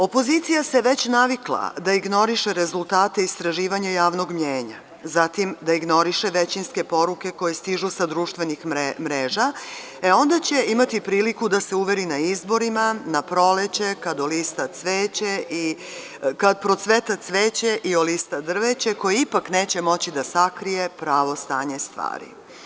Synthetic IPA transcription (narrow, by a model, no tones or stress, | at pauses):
o̞po̞zit̪sijase̞ʋe̞t͡ɕnaʋiklˠa̰d̪aiɡno̞ɾiʃe̞ɾe̞zulˠt̪aːt̪e̞ist̪ɾaʒiːʋaɲajaːʋno̞ɡmɲeːɲa | zat̪imd̪aiɡno̞ɾiʃeʋet͡ɕinske̞po̞ɾuke̞ko̞je̞st̪iʒusad̪ɾuːʃt̪ʋe̞nixmɾeːʒa | eo̞nd̪at͡ɕe̞imat̪ipɾiːlikud̪ase̞uʋe̞ɾinaizbo̞ɾimanapɾo̞let͡ɕe̞kad̪olist̪at̪sʋeːt͡ɕeʔi | kad̪̚pɾo̞t̪sʋet̪at̪sʋeːt͡ɕe̞ʔiolist̪ad̪r̩ʋet͡ɕe̞ko̞jeipakne̞ːt͡ɕe̞mo̞t͡ɕid̪asakɾije̞pɾaːʋo̞st̪aːɲest̪ʋa̰ːɾḭ